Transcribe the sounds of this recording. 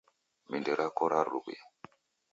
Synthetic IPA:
mindeɾakoɾaɾṵkḛ

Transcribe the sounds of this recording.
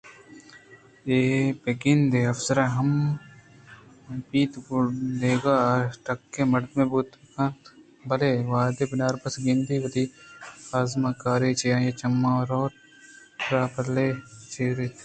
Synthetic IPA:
eːpeɡɪnd̪eɐfsɐɾaɦɐm | piːt̪ɡuleːɡaːʈɐkːẽːmɐɽd̪mẽbuːt̪kãːt̪ | bɐleːʋaːd̪ebɪnaːɾbɐsɡɪnd̪iːʋɐt̪iːaːzmakaːɾeːt͡ʃejãːjet͡ʃɐmːãːɾoːɾ | ɾaːpɐlet͡ʃeːɾet̪

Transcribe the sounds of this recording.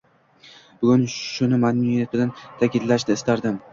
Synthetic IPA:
bʊɡʲʊnʃʊnɪmanmʊjat̪̚bɪlant̪ʰakʲɪd̪laʃnɪɪst̪aɾd̪ɪm

